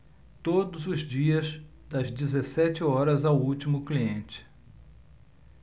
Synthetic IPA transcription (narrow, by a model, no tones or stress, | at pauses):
t̪od̪ʊzʊzd͡ʒiɐz | d̪ɐzd͡ʒizesɛt͡ʃɪɔɾɐzawut͡ʃimʊkliẽnt͡ʃɪ̥